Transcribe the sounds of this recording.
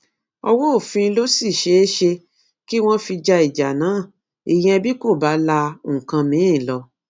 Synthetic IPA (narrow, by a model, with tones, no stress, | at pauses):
ɔ˧wo˦o˦˨fĩ˧lo˦si˦˨ʃe˦ʃe˧ | ki˦w̃ɔ̃˦fi˧d͡ʒa˧i˨d͡ʒa˨nãː˨˦˨ | i˦˨j̃ɛ̃˧bi˦ko˦˨ba˨˦lã˧˦˨kã˧mĩ˨˦ĩ˦˨lɔ˧